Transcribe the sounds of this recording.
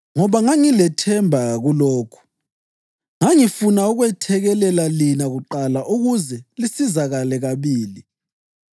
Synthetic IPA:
ŋɔβaŋaŋilɛtʰɛmbʱaɣuloːkʰu̥ | ŋaŋifunauɣwɛtʰɛɣɛlɛlalinaɣuǃalaʔuɣuzɛlisizaɣalɛɣaβiːli

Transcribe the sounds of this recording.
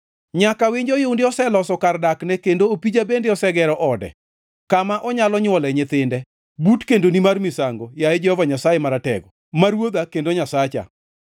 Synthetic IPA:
ɲakawɪɲd͡ʒɔjoundɪɔsɛlɔsɔkardaknɛkendoopid͡ʒabendɪɔsɛɡɛɾɔʔɔdɛ̰ | kamaʔɔɲalɔɲwɔlɛɲɪt̪ɪndɛ | butkendonimarmɪsaŋɡojajɛd͡ʒɛhɔvaɲasajɛmaɾatɛ̰ɡɔ | maɾwod̪akendoɲasat͡ʃa̰

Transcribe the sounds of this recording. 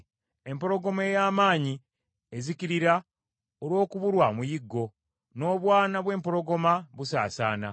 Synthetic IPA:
e̞mpo̞ɾo̞ɡo̞mejaːmaːɲi | e̞ziciɾiɾa | olwo̞ːkuβuɾwamujiɡːo̞ | no̞ːβwaːnaβwe̞ːmpo̞ɾo̞ɡo̞maβusa̰ːsa̰ːna̰

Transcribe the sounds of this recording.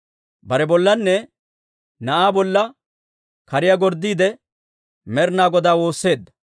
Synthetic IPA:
bɐɾɛbɔlːɐnːɛ | nɐʔaːbɔlːɐ | kɐɾɪjaɡɔɾd̪ːiːd̪ɛ | mɛɾnaːɡɔd̪aːwo̞ːsːe̞ːd̪ːɐ̥

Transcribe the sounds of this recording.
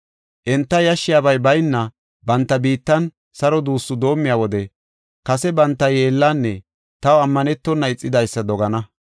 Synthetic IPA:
ʔɛnt̪ːɐjɐʃːɪjaːbɐjbɐjnːɐ | bɐnt̪ːɐbiːt̪ːɐn | sɐɾɔd̪uːsːʊd̪o̞ːmːɪjaːwɔd̪ɛ | kɐsɛbɐnt̪ːɐje̞ːlːaːnːɛ | t̪ɐwɐmːɐnɛt̪ːɔnːɐɪt͡sʼːɪd̪ɐjsːɐd̪ɔɡɐnɐ

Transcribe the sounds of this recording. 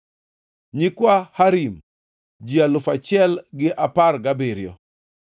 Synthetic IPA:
ɲikwahaɾim | d͡ʒialʊfat͡ʃɪɛlɡɪʔaparɡabeɾjɔ̰

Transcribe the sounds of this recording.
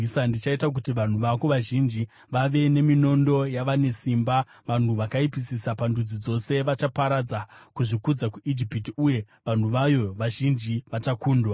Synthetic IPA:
sandit͡ʃaitak̬utiʋan̤uʋako̞ʋaʒind͡ʒi | ʋaʋe̞ne̞mino̞ndo̞jaʋane̞simba | ʋan̤uʋakaipisisapandud͡zid͡zo̞se̞ʋat͡ʃapaɾad͡zakuʐikud͡zakuʔid͡ʒipitiuje̞ | ʋan̤uʋajo̞ʋaʒind͡ʒiʋatakuːndwa

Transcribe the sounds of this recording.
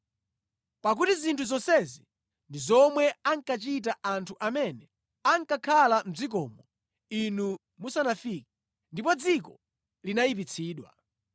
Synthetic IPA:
pak̬utizintʰuzɔnsɛzi | ndizɔmwɛaŋkat͡ʃit̬aantʰuʔamɛnɛ | aŋkakʰalam̩zik̬ɔmɔ | inu | musanafikḁ | ndipɔd͡zikɔ | linajip̬it͡sʰiːɗwa̰

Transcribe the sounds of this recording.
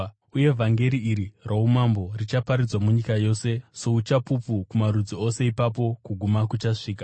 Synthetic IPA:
uje̞vʱaŋɡe̞ɾiiɾiraumambo̞rit͡ʃapaɾid͡zwamuɲikajo̞ːse̞so̞ut͡ʃapupukumaɾud͡zio̞se̞ipap̬o̞kuɡʱumakut͡ʃaʂiːkḁ

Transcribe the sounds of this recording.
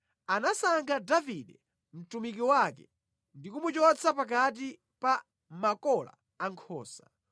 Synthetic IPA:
anasaŋɡadaviɗɛ | m̩tumik̬iwakɛ̰ | ndikumut͡ʃɔt͡sʰapak̬at̬i | pa | makɔla̰ːŋkʰɔːsḁ

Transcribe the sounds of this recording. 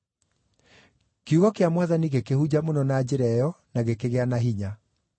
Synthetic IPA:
keuɣɔkeamwaðaniɣekehud͡ʑamonɔnad͡ʑeɾɛjɔ | naɣekeɣeanaɦiɲa

